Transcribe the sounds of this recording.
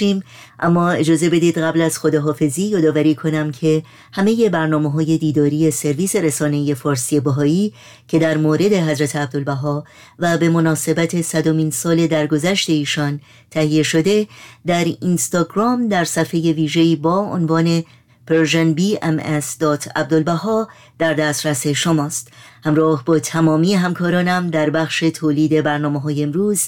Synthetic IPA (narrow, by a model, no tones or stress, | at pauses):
iːm | ʔæmːɒːe̞d͡ʒɒːze̞be̞d̪iːd̪ɣæblæz̥xod̪eɦɒːfe̞ziːjɒːd̪ɒːvæɾiːkʰo̞næmcʰe̞ | hæme̞jebæɾnɒːmeɦɒːje̞d̪iːd̪ɒːɾiːje̞se̞ɾviːse̞ɾesɒːne̞ije̞fɒːɾsiebæɦɒːiː | cʰe̞d̪æɾmoːɾe̞d̪e̞ɦæzɾæt̪ʰeæb̚d̪olbæɦɒː | væbe̞mo̞nɒːse̞bæt̪ʰe̞sæd̪omiːnsɒːle̞d̪æɾɡo̞zæʃt̪e̞iːʃɒn | t̪ʰæhije̞ʃo̞d̪e̞d̪æɾinst̪ɒɡɾɒːmd̪æɾsæfe̞je̞viːʒe̞iːbɒːo̰nvɒːne̞ | peɾʒenbiːḛmesd̪̥ɒːt̪ʰæ̰b̚d̪olbæɦɒː | d̪̥æɾd̪æst̪ɾæse̞ʃomɒːst̪ | hæmɾɒːhbɒːt̪ʰæmɒːmiːeɦæmkʰɒːɾɒːnæmd̪æɾbæxʃe̞t̪ʰoːliːd̪e̞bæɾnɒːmeɦɒːjeːmɾuːz